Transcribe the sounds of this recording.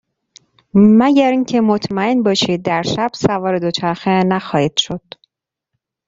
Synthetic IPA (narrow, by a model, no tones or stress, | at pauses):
mæɟæɾiŋcʰe̞mot̪ʰmæenbɒːʃiːd̪̚ːæɾʃæb̥sævɒːɾe̞d̪o̞t͡ʃʰæɾxenæxɒːhiːd̪̥ʃod̪̥